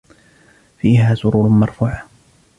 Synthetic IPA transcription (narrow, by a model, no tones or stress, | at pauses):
fiːɦaːsʊɾuːɾʊmɑɾˤfuːʕa